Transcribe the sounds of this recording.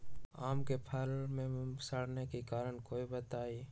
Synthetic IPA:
aːmkepʰəlmẽsəɽ̤nekekaːɾəɽkoːibət̪aːiː

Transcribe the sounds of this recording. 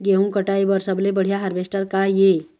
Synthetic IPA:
ɡeũkəʈaibəɾsəblebəɽ̤ijaɦəɾʋesʈəɾkaje

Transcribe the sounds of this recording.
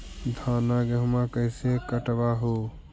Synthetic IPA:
d̪ʱaːnaɡeɦʊmãkəɪsekəʈbaɦo

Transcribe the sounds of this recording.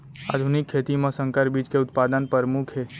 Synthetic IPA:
a̰d̪ʱunikʰːet̪imãsə̃ŋkəɾbiːd͡ʒkeʊt̪pad̪ənpəɾmukʰɦe

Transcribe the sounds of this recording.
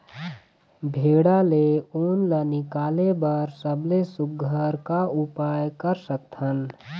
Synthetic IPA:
bʱeːɽaleuːnlənɪkaːlebəɾsəblesʊkːəɾkaupaːjkəɾsək̚t̪ʰɦən

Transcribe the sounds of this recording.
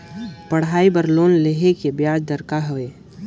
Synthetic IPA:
pəɽ̤ɦaːibəɾloːnleɦekebjaːd͡ʒd̪əɾkaɦoeː

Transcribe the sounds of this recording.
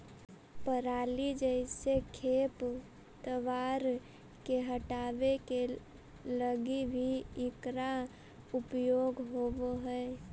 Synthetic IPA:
pəɾaːlid͡ʒəɪsekʰeːp | t̪əʋaːɾ | keɦəʈaːʋeke | ləɡibʱiɪkɾa | ʊpjoːɡɦoːboɦɛː

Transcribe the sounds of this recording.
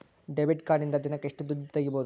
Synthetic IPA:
ɖebiʈkaːɾɖind̪ɐd̪inɐkːeʂʈud̪ud͡ʒt̪ɐɡiboːd̪u

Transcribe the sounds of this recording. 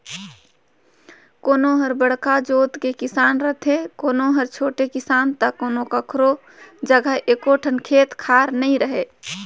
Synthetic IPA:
koːnoɦəɾbəɽkad͡ʒoːt̪kekɪsaːnɾət̪ʰekoːnoɦəɾt͡ʃʰoːʈekɪsaːnt̪əkːoːnokəkʰɾo | d͡ʒəɡʱəɦʔeːkoʈʰənkʰeːt̪kʰaːɾnəĩɾəɦe

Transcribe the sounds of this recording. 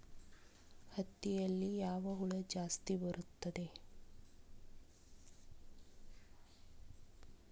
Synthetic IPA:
hɐt̪ːijɐlːijaːʋəɦuɭəd͡ʒaːst̪ibəɾut̪ːɐd̪e

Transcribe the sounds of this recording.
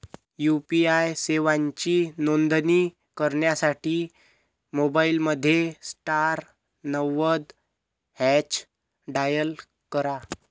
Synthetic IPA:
jupiajseʋãɲt͡ɕiːnond̪niː | kəɾɳjasaʈiː | mobailməd̪ʱːjesʈaɾ | nəʋəd̪ | hɛt͡ɕ | ɖajəl | kəɾa

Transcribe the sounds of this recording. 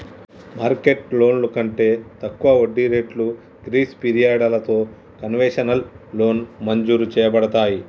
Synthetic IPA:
maːɾkeʈlo̞ːnlukɐɳʈe̞ːt̪ɐkːuʋɐoɖːiɾe̞ːʈlu | ɡɾiːspiɾijaːɖɐlɐt̪o̞ː | kɐnʋeːʂɐnɐlːo̞ːnmɐɲd͡ʒuːɾut͡ʃɛːjɐbɐɽɐt̪aːji

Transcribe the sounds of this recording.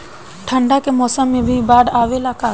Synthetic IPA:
ʈʰə̃ɳɖakemɔːsəmːẽbʱibaːɽaːʋelaka

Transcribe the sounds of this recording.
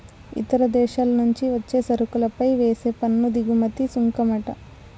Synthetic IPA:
ḭt̪ɐɾɐd̪ɛːʃaːlɐnuɲt͡ʃiʋɐt͡ʃːe̞ːsɐɾukulɐpɐjʋeːse̞ːpɐnːud̪iɡumɐt̪isuŋkɐmɐʈɐ̰

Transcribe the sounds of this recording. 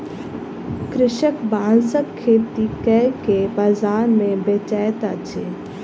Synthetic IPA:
kɾɪʃəkbaːnsəkʰːeːt̪ikɛkepɐzaːnmẽbet͡ʃaːjt̪at͡ʃʰeː

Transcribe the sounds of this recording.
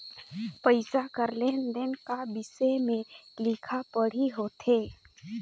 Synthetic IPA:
pəɪsakəɾleːnd̪enkabɪsemẽlɪkʰapəɽ̤iɦoːt̪ʰeː

